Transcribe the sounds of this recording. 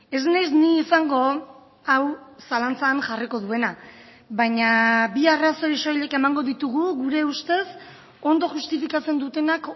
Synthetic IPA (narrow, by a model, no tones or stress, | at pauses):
e̞znajzniːsaŋɡo̞ | awsalant͡saːnʝariko̞ðue̞na | βaɲabiaraso̞iʃojʎeke̞maŋɡo̞ðit̪uɣuɣuɾe̞ust̪e̞s | o̞nd̪o̞ʝust̪ifikat͡se̞nd̪ut̪e̞nak